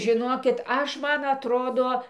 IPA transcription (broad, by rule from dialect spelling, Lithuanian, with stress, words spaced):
ʒʲɪˈnoːkʲɪt ˈɐʃ ˈmɐn ɐtˈroːdoː